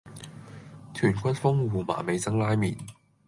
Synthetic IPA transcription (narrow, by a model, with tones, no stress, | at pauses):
t̪ʰyː˨˩nkʰʷɐ˥t̚fʊ˥ŋwuː˨ma̰ː˨˩me˨˧jt͡sɐ˥ŋlaː˥jmiː˨˩n